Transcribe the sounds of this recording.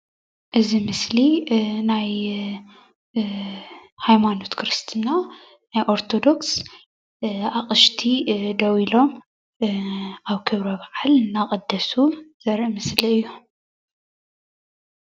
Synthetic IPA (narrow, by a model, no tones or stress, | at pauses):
ʔɨzimɨslinaj | hajmano̞t̪kʰɾɨst̪ʰɨna | najʔo̞ɾt̪ʰo̞d̪o̞ks | aχʼɨʃt̪ʰid̪ɐwilo̞m | aβkʰɨβɾɐβaʕalnaχʼɨd̪ːɐsuz̥ɐɾʔmɨsliɨjːu